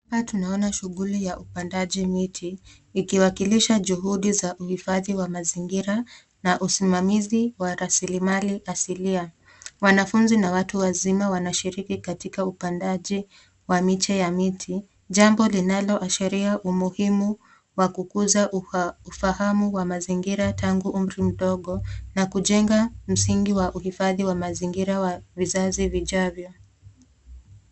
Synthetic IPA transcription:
patunaɔnaʃuɠulijaʔupandaʄimitʰi | ikiwakiliʃaʄuɦuɗizaʔuhifaðiwamaziŋɡiɾa | naʔusimamiziwaɾasilimaliʔasilia | wanafunzinawatuwazimawanaʃiɾikikatikaupandaʄi | wamit͡ʃɛjamitʰi | ʄambɔlinalɔʔaʃɛɾiaʔumuhimu | wakukuzaufahamuwamaziŋɡiɾataŋɡuʔum̩ɾim̩ɗɔɠɔnakuʄɛŋɡam̩siŋɡiwaʔuhifaðiwamaziŋɡiɾawavizaziviʄavjɔ

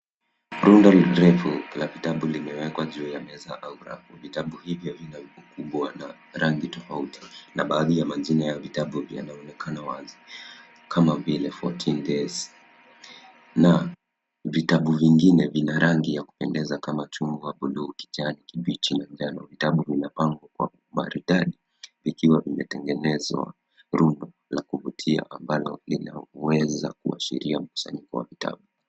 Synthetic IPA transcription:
ɾundɔlɾɛfulavitaɓulimɛwɛkwaʄuːjamɛzaʔauɾa̰fuvitaɓuhivjɔvinaukuɓwana | ɾaŋɡitɔfautʰi̥naɓaːðijamaʄinajavitaɓuvja̰naɔnɛkʰanawazi | kʰamavilɛfɔ̰tʰindɛs | na | vitaɓuviŋɡinɛvinaɾʔaŋɡijaku̥pɛndɛzakamat͡ʃumbuwaɓuɗuːki̥tianikiɓit͡ʃinad͡ʒanɔvitaɓuvinapaŋɡwakwa̰ | ma̰ɾuɗaɗi | vikiwavimɛtɛŋɡɛnɛzwa̰ | ɾundɔ | lakuvutʰia̰ʔambalɔ̰lina̰wɛza̰k̚ua̰ʃḭɾiam̩ku̥sa̰ɲikɔwa̰vita̰ɓu

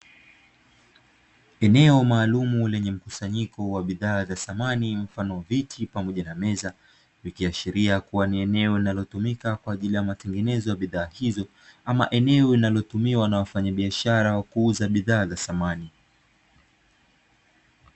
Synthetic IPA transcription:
ɛnɛɔmaːlumulɛɲɛm̩kusaɲikɔwaɓiðaːzasamanim̩fanɔvitʰipamɔʄanamɛza | vikiaʃiɾiakuwaniɛnɛɔinalɔtumikakwaːʄilijamatɛŋɡɛnɛzɔjaɓiðaːhizɔ | ama̰ʔɛnɛɔinalɔtumiwanawafaɲaɓiaʃaɾawakuuzaɓiðaːzasamani

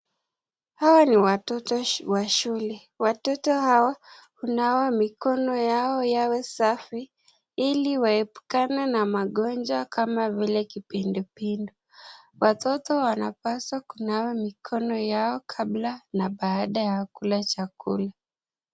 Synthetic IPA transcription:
hawaniwatɔtɔwaʃulɛ | watɔtɔhawahunawamikɔnɔjaɔjawɛsafi | iliwaɛpu̥kananamaɠɔnd͡ʒwakamavilɛkipindupindu | watɔtɔwanapaswakunawamikʰɔnɔjaɔkʰaɓlanaɓaːɗajakulat͡ʃakula

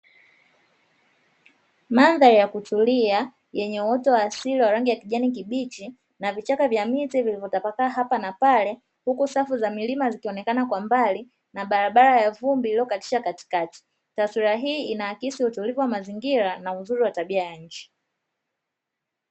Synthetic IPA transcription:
manðaɾijakutulia | jɛɲɛuwɔtɔwaːsiliwaɾaŋɡijakiʄanik̬iɓit͡ʃi | navit͡ʃakavjamitivilivɔtapakaːɦapanapalɛ | hukusafuzamilimazikiɔnɛkanakwambali | naɓaɾaɓaɾajavumbiːliɔkati̥ʃakati̥kati̥ | taswiɾaɦiːinaakisiutulivuwamaziŋɡiɾanauzuɾiwataɓiajaɲ̩t͡ʃi̥

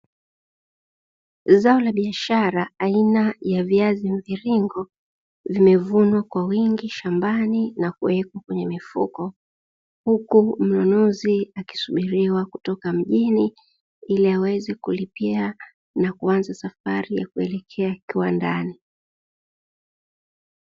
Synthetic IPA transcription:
zaɔlaɓiaʃaɾaːinajaviaziɱviɾiŋɡɔ | vimɛvunwakwawiŋɡiʃambaninakuwɛkwakwɛɲɛmifṵkɔ | hukum̩nɔnɔziaki̥suɓiɾiwakutɔkam̩ʄini | iliawɛzɛkulipia | nakuanzasafaɾija̰kuɛlɛkʰɛakiwandani

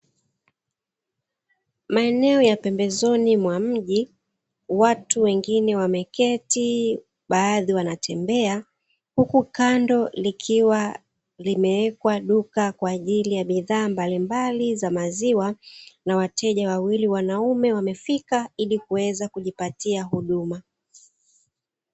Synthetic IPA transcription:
maɛnɛɔjapɛmbɛzɔnimwam̩ʄi | watuwɛŋɡinɛwamɛkɛti | ɓaːðiwanatʰɛmbɛa | hukukandɔlikʰiwa | limɛɛkwaɗukakwaːʄilijaɓiðaːmbalimbalizamaziwanawatʰɛʄawawiliwanaumɛwamɛfikailikuwɛzakuʄipatiaɦuɗuma

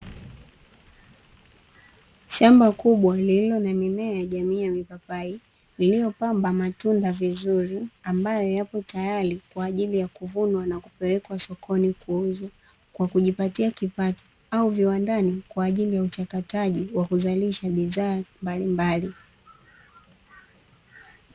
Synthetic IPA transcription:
ʃambakuɓwalililɔnamimɛajaʄamiːjamipapai | lilijɔpambamatundavizuɾiambajɔjapɔtajaɾikwaːʄilijakuvunwanakupɛlɛkwasɔkʰɔnikuuza | kwakuʄipatiakipatɔ̥ | auviwandanikwaːʄilijaut͡ʃakataʄiwakuzaliʃaɓiðaːmbalimbali

